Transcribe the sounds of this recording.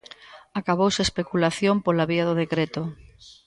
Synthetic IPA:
akaβowseespekulaθjompolaβiaðʊðekɾet̪ʊ

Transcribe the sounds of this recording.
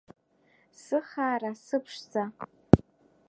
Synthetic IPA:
sɨχaːɾasɨpʰʂd͡za

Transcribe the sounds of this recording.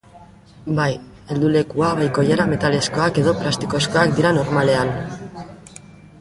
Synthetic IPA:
baj | e̞ld̪ule̞kuaβajko̞jaɾame̞t̪ale̞sko̞ake̞ðo̞plast̪i̥ko̞sko̞ak̚d̪iɾano̞ɾmale̞an

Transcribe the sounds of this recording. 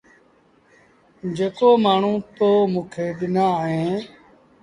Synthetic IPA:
d͡ʒeːkoːmaːɳ̤ũːt̪oːmũːkʰeːɓɪnaːɦẽː

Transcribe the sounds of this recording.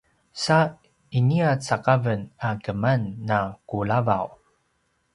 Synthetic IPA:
sa | iniat͡sakavənakəmanːakulava̰w

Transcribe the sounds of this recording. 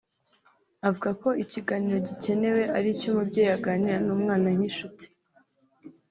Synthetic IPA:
avuɡako̞iciɡaniɾo̞ɟice̞ne̞we̞ʔaɾicomubɟeːjaɡaniɾanuːmŋaːnaŋ̥iʃuti̥

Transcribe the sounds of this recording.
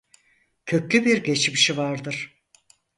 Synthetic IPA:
cʰø̞cʲlʲybiɾɟe̞t͡ʃmiʃivaɾd̪ɯɾ̥

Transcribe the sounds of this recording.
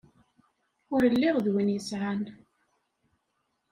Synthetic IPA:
ʊɾəlːɪʁðwinjəsʕan

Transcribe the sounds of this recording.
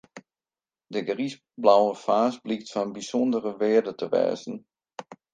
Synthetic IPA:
dəɡris | blawəfaːsbliktfɔnbisɔndərəʋɪədətəʋɛ̰ːzn̩

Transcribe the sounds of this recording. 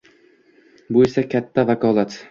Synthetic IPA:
bʊesakʲʰat̪ʰːavakʰɒlˠat̪

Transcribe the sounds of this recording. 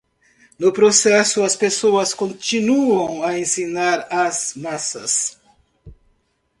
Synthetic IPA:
nʊpɾosɛsʊɐspesoɐskõnt͡ʃinuɐ̃w̃ɐẽsinaɾazmasɐ̰s

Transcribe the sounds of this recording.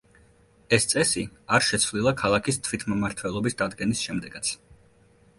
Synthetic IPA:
ɛst̪sʼɛsiaɾʃɛt̪sʰvlilˠakʰalˠakʰist̪ʰvit̪ʰmmaɾt̪ʰvɛlˠɔbisd̪ad̪ɡɛnisʃɛmd̪ɛɡat̪sʰ

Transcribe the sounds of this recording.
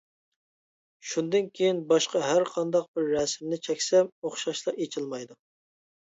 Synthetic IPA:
ʃund̪ɨnkʲʰejinbɑʃqɑɦæɾqʰɑnd̪ɑq̚bɪɾːɛsɪmnɪt͡ʃʰɛkʲsɛmoχʃɑʃlˠɑɾet͡ʃʰilˠmɑjd̪u

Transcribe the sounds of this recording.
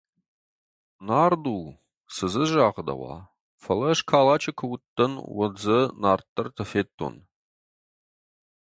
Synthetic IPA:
naːrduː | sɨzɨʒaːʁəd̪ɐ̰wɑ̰ː | fɐlɐʂkʰaːlaːt͡ʃʰɐkʰɐwtːɐnwɐ̰d͡zɐnaːrt̪ʰʼːɐrtʰɐfeːtʰʼːo̰n

